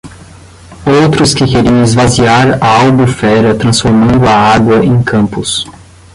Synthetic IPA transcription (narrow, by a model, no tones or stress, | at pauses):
owt̪ɾʊskɪkeɾiɐ̃ɪzvaziaɾɐawbufɛɾɐt̪ɾɐ̃sfoɾmɐ̃nd̪ʊaaɡwɐʔẽj̃kʰɐ̃mpʊs